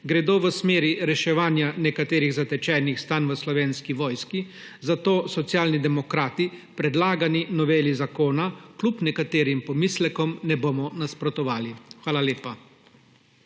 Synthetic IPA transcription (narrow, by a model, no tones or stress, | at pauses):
ɡɾɛd̪oːʋəsmeːɾiɾɛʃɛʋaːnjanɛkat̪eːɾiɣzat̪ɛt͡ʃɛːnixst̪anʋəslɔʋeːnskiʋɔːjski | zat̪oːsɔt̪sjaːlnid̪ɛmɔkɾaːt̪ipɾɛd̪laːɡaninɔʋeːlizakoːnaklupnɛkat̪eːɾimpɔmislɛkɔmnɛboːmɔnaspɾɔt̪ɔʋaːlixʋaːlaleːpa